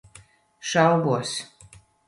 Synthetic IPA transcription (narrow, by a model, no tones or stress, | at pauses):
ʃawbuɔs